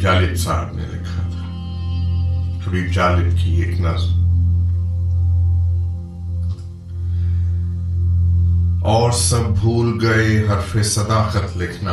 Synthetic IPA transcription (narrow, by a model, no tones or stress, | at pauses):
d͡ʒaːlɪt̪saːɦəbnḛlɪkʰat̪ʰḁ | kɐbʱibd͡ʒaːlɪt̪kʰieːknɐz | ɔːɾsɐb̚ːʱuːlɡɐeɦɐɾfʰesəd̪aːxət̪lekʰna